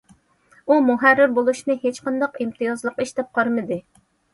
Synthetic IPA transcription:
umuɦærːɪɾbolˠuʃnɨhet͡ʃqɑnd̪ɑqimt̪ʰɨjɑzlˠəqiʃd̪ɛp̚qʰɑɾmɨd̪ɨ

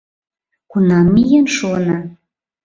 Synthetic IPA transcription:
kunɑmːijenʃunɑ

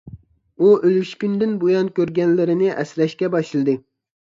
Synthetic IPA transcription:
uølyʃkʲynd̪ɪnbojɑnkʲøɾɡʲɛnlɪɾɪnɪʔɛsɾɛʃkʲɛbɑʃɨlˠɨd̪ɨ

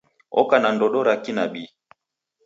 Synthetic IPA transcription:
ɔ̰kanandɔɗɔɾakinaɓi

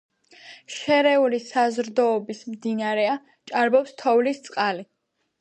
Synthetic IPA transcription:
ʃɛɾɛulisazɾd̪ɔːbismd̪inaɾɛa | t͡ʃʼaɾbɔpst̪ʰɔvlist̪sʼqʼali

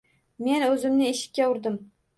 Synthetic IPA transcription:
me̞nɵzɪmnɪeʃɪ̥kʲːaʊɾd̪ɪm

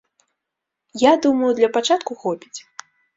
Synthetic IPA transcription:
jad̪umɐjud̪lʲɐpat͡ʂat̪kuxɔpʲit͡sʲ

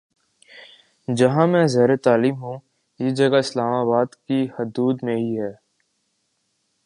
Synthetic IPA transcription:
d͡ʒɐɦãmɛ̃zɛːɾet̪aːliːmɦũː | jed͡ʒɐɡaɪslaːmaːbaːd̪kihʊd̪uːd̪mẽɦiɦɛː

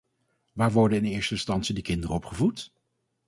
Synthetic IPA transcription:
ʋaːɹʋɔɹdənɪnɪːɹstəɪnstɑntsidəkɪndərəɔpχəvut

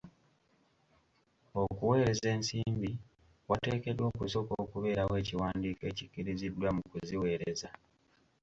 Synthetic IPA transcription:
o̞kuwe̞ːɾe̞ze̞ːnsiːmbi | wate̞ːke̞dwo̞ːkuso̞ko̞ːkuβe̞ːɾawe̞ːciwaːndiːke̞ːcicːiɾizidwamukuziwe̞ːɾeza

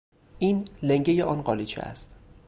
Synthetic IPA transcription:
ʔiːnleŋɟejeʔɒːnɢɒːlit͡ʃʰḛæ̰st̪

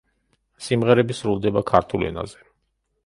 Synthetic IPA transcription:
simʁɛɾɛbisɾulˠd̪ɛbakʰaɾt̪ʰulɛ̰na̰zɛ

